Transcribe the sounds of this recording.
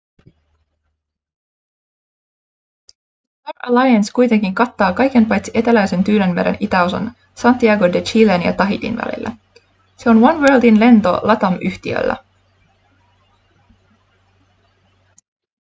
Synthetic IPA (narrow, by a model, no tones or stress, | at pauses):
tɑrælɑjɑnskujt̪e̞ŋkiŋkɑt̪ːɑːkɑjk̟e̞npɑjt̪siʔe̞t̪ælæjse̞nt̪yːlenmeɾḛnʔit̪æo̞sɑ̰n | sɑnt̪ːiɑɡodet͡ʃilenjɑ̰t̪ɑɦit̪ḭnʋæ̰lḭlːæ̰ | se̞o̞nʋɑnʋeːlt̪inle̞nt̪o̞̰lʔɑt̪ɑmʔyht̪iø̰lːæ̰